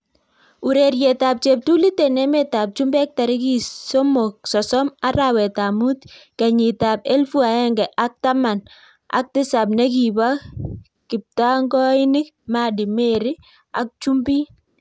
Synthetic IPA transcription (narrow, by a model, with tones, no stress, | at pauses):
u˨ɾe˨ɾje˨ta˨p̚t͡ʃe˨p̚tu˦li˦te˨nɛ˦me˦ta˨p̚t͡ʃu˦mbɛ˦k̚ta˨ɾɪ˦ki˨so˦mo˨k̚sɔ˨sɔ˦ma˦ɾawɛ˨ta˨mu˦tkɛ˨ɲɪ˨ta˨pe˦lfu˦a˨ɛ˦ŋɡɛ˨ʔa˦k̚ta˦ma˨n | a̰˨˦k̚tɪ˦sa˨p̬̚nɛ˦ki˨ba˦ | kɪ˨p̚ta˦ŋɡɔ˦ɪ˦nɪ˦k̚ | ma˦dɪ˨me˦ɾɪ˦ | a̰˨k̚t͡ʃu˦mbi˦